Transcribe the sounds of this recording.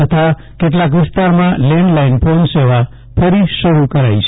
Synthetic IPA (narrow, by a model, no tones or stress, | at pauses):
ət̪ʰa | keʈlak̬ʋɪst̪aɾmãlɛ̃ɳɖlainpʰonseʋa | pʰəɾisəɾukəɾajt͡ʃʰ